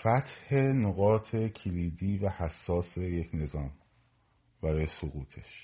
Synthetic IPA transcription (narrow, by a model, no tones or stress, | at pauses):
fæt̪he̞noɣɒːt̪ʰe̞cʰeliːd̪iːvæhæsːɒːse̞je̞cʰne̞zɒːm | b̥æɾɒːjesoɣuːt̪ʰe̞ʃ